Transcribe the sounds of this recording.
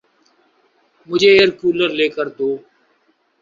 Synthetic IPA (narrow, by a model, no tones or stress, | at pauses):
mʊd͡ʒʱeːeːɾkuːləɾleːkəɾt̪oː